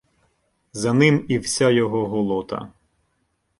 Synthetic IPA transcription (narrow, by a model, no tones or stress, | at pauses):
zɐnɪmiwsʲajɔɦɔɦɔlˠɔt̪ɐ̰